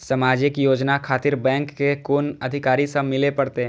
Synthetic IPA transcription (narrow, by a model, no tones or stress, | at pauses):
sɐmaːd͡ʒɪkjoːd͡ʒnakʰaːt̪ɪɾbɛ̃ːŋkːekoːnɐd̪ʱɪkaːɾisə̃mɪlepɐɽt̪eɦɛ̃